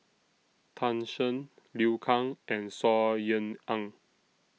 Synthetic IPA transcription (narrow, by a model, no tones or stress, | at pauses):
t̪ʰãnʃə̃n | liwkʰãŋʔɛ̃nsɔjə̃nãŋ